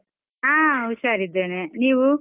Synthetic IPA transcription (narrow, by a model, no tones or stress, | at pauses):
aːʋuʃaːɾid̪ːeːneniːʋu